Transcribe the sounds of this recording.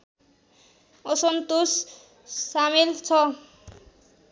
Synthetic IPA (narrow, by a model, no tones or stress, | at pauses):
osont̪osː | amelt͡ɕʰɔ